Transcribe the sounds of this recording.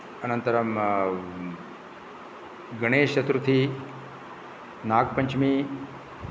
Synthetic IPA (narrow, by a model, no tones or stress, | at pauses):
ɐnɐnt̪ɐɾɐm | ɡɐɳ̃eːʃɐt̪ɾut̪ʰi | naːɡ̚pɐɲt͡ʃmi